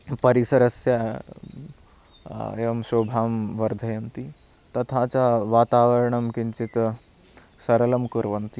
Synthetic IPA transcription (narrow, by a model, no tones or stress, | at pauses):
pəɾisɐɾɐsja | eʋɐmsobʱaːmʋɐɾd̪ʱəjɐnt̪i | t̪ɐt̪ʰat͡saʋat̪aʋəɾɳɐmkint͡ɕit̪ | sɐɾlɐmkuɾʋɐnt̪i